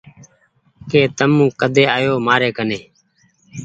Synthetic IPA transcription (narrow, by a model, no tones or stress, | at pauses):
keːt̪əmũːkəd̪ʱeːaːjoːmaːɾeːkəneː